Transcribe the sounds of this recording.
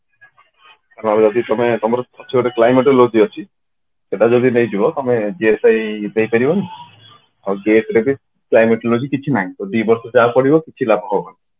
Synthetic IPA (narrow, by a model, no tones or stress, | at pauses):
kaɾɔ̃nabd͡ʒɔd̪it̪ɔmet̪ɔmɔɾeɔt͡ʃʰiɾeklajmeʈelod͡ʒiɔt͡ʃʰi | seʈad͡ʒod̪inejd͡ʒibɔt̪ɔmed͡ʒiesajd̪ejpeɾibɔn | a̰wɡeʈɾebi | klajmeʈlod͡ʒikit͡ʃʰinaĩt̪oɖibɔɾsɔd͡ʒapɔɽibɔkit͡ʃʰilabʱɦɔbɔna